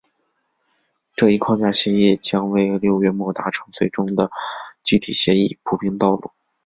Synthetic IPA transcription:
ʈ͡ʂɤ˥˧i˥˩kʰwɑ˥˧ŋt͡ɕja˥˩ɕjɛ˧˥ji˥˩t͡ɕjɑ˥ŋwe˥˧˩ɪljo˥˧ʊɥɛ˥mwɔ˥˩t̪a˧˥ʈ͡ʂʰɤ˧˥ŋswe˥˩ɪʈ͡ʂʊ˥ŋd̪ə˨t͡ɕy˥t̪ʰḭ˨˩ɕjɛ˧˥i˥˩pʰu˨˩pi˥ŋt̪ɑ˥˧ʊlṵ˥˩

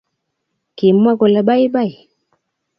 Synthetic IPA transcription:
ki˨m˦wa˦kɔ˨la˨ɓa˦i˦ɓa˦i˨

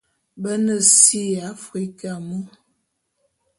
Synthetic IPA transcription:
bə˦nə˦˨si˦a˨˦fɾi˦ka˨mu˦

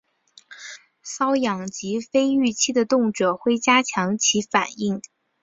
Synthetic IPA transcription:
sɑ˥ʊjɑ˨˩ŋt͡ɕi˧˥fe˥ɪy˥˩t͡ɕʰi˥d̪ə˨t̪ʊ˥˩ŋʈ͡ʂɤ˨˩xwe˥˩ɪt͡ɕja˥t͡ɕʰjɑ˧˥ŋt͡ɕʰi˧˥fa̰˨˩ni˥˩ŋ

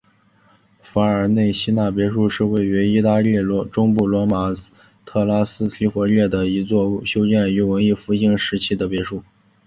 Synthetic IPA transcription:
fa˧˥ə˞˧˥ne˥˩ɪɕi˥na˥˩p̬jɛ˧˥ʂu˥˧ʂɻ̩˥˧we˥˩ɪy˧˥i˥t̪a˥˧li˥˩lʈ͡ʂʊ˥ŋpu˥˩lwɔ˧˥ma˨˩ | t̪ʰɤ˥˩la˥sɹ̩˥t̪ʰi˧˥fwɔ˧˥ljɛ˥˩d̪ə˩i˧˥t͡swɔ˥˩ɕjo˥ʊt͡ɕjɛ˥˩ny˧˥wə˧˥ni˥˩fu˥ɕi˥ŋʂɻ̩˧˥t͡ɕʰi˥d̪ə˨pjɛ˧˥ʂu˥˩

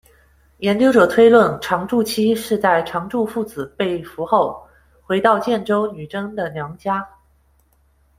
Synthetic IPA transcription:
jɛ˧˥nt͡ɕjo˥ʊʈ͡ʂɤ˨˩t̪ʰwe˥ɪlwə˥˩nʈ͡ʂʰɑ˧˥ŋʈ͡ʂu˥˧t͡ɕʰi˥ʂɻ̩˥˧t͡sa˥˩ɪʈ͡ʂʰɑ˧˥ŋʈ͡ʂu˥˧fu˥˩t͡sɹ̩˨˩pe˥˩ɪfu˧˥xo˥˩ʊ | xwe˧˥ɪt̪ɑ˥˧ʊt͡ɕjɛ˥˩nʈ͡ʂo˥ʊny˨˩ʈ͡ʂɤ˥ŋd̪ə˨njɑ˧˥ŋt͡ɕja˥

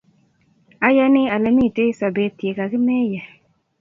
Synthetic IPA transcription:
a˨ja˦ni˦a˨lɛ˨mi˦˨te˦sa˨beː˨˦˨ti˨e˨ka˨ki˦mɛː˦jɛ˨

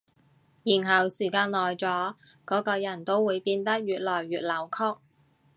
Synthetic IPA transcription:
jiː˨˩nɦɐ˨˩wsiː˨˩kaː˧nlɔː˨˩jt͡sɔː˨˥ | kɔː˨˥kɔː˧jɐ˨˩nt̪o˥wwuː˨˧jpiː˧nt̪ɐ˥k̚jyː˨t̚lɔː˨˩jɥyː˨t̚lɐ˨˩wkʰɔː˥k̚

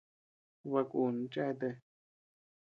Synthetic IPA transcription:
βa˧ku˨n̩˧˦t͡ʃa˦˧t̪e˧

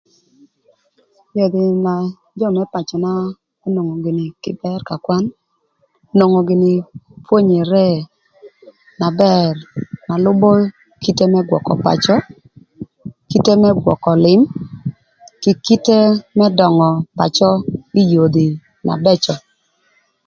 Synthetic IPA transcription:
jo˨d̪i˨na˨ | d͡ʒɔ˦˨mɛ˦pa˨t͡ʃɔ˨na˦ | e˦no˨ŋo˨ɡɪ˨nɪ˨kɪ̰˨bɛ˦rka˨kwa˦n | no˨ŋo˨ɡɪ˨ni˨pwo˦ɲe˨ɾɛ˦ | na˨bɛ˦˨rna˨lʊ˦bɔ˦ | ki˦te˦mɛ˦ɡwɔ̰˨kɔ̰˨pa̰˨t͡ʃɔ˦ | ki˦te˦mɛ˦ɡwɔ̰˨kɔ˨lɪ˨˦m | kɪ˨ki˦te˦mɛ˦dɔ˨ŋɔ˨pa̰˨t͡ʃɔ˦i˦jo˨d̪i˨ | na̰˨bɛ˦t͡ʃɔ˨

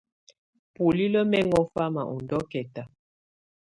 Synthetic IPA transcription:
pu˨li˦lə˦mɛ˦ŋɔ˦fa˦ma̰˨ʔṵ˨ndɔ˦kɛ˨ta˨

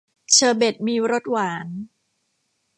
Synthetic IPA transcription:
t͡ɕʰɤː˧˩be˨˩t̪̚miː˧ɾo˦˥t̪̚waː˩˦n

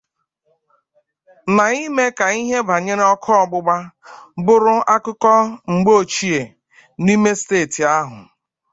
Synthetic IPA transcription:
na˨i˦me˦ka˨i˦ɦe˦ba˨ɲe˦ɾe˦ɔ˦kʰɔ˦ɔ˦˨ɡ͡bʊ˦ɡ͡ba˦bʊ˦ɾʊ˦a˦kʊ˦kɔ˦ŋ͡m̩˨ɡ͡bo˦o˨t͡ʃi˦e˨ | ni˦me˦steː˦˨ti˨a˦ɦʊ˨

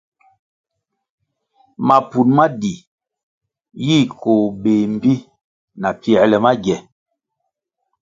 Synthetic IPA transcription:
ma˨pu˨nma˦di˨ | ji˦˨ko˨be˨m̩˦bi˦ | na˨pi˦ɛ˨lɛ˨ma˦ɡjɛ˨

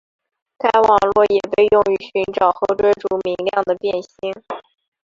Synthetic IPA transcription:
ka˥ɪwɑ˨˩ŋlwɔ˥˩jɛ˨˩pe˥˧ɪjʊ˥˧ŋy˧˥ɕy˧˥nʈ͡ʂɑ˨˩ʊxo˥˩ʊʈ͡ʂə˥ʈ͡ʂu˧˥mi˧˥ŋljɑ˥˩ŋd̪ə˩pjɛ˥˩nɕi˥ŋ

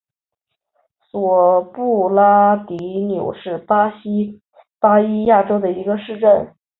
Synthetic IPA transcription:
swɔ˨˩pu˥˩la˥t̪i˧˥njo˨˩ʊʂɻ̩˥˩˥ | pa˥i˥ja˥˩ʈ͡ʂo˥ʊd̪ə˨i˧˥ɡə˧ʂɻ̩˥˧ʈ͡ʂə˥˩n

